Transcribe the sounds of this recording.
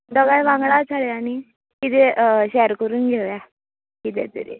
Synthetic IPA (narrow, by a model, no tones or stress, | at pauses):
d̪əɡajʋãŋɡɭat͡sʰaɭeañi | kit̪eɕɛɾkəɾuːnɡʱeʋja | kit̪ɛ̰t̪ə̰ɾḛ